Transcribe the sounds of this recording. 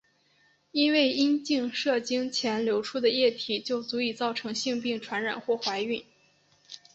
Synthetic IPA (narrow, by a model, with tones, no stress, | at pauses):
i˥nwe˥˩ɪi˥nt͡ɕi˥˧ŋʂɤ˥˩t͡ɕi˥ŋt͡ɕʰjɛ˧˥nljo˧˥ʊʈ͡ʂʰu˥d̪ə˨jɛ˥˩t̪ʰi˨˩t͡ɕjo˥˩ʊt͡su˧˥i˨˩t͡sɑ˥˩ʊʈ͡ʂʰɤ˧˥ŋɕi˥˧ŋpi˥˩ŋʈ͡ʂʰwa˧˥nɻa̰˨˩nxwɔ˥˩xwa˧˥ɪy˥˩n